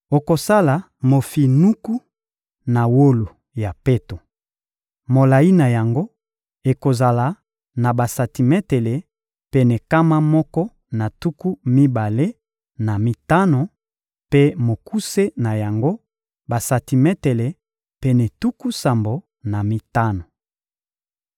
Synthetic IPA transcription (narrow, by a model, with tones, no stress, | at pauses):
o˨ko˨sa˦la˨ | mo˨fi˨nu˦ku˦ | na˨wo˦lo˨ | ja˨pe˦to˨ | mo˨la˨i˦na˨ja˨ŋɡo˦ | e˨ko˨za˨la˨ | na˨ba˨sa˨ti˨mɛ˦te˨le˨ | pe˦nɛ˨ka˦ma˦mɔ˦kɔ˦ | na˨tu˦ku˦mi˦ba˨le˦ | na˨mi˦ta˦no˨ | pe˦mo˨ku˦se˦na˨ja˨ŋɡo˦ | ba˨sa˨ti˨mɛ˦te˨le˨ | pe˦nɛ˨tu˦ku˦sa˨mbo˨ | na˨mi˦ta˦no˨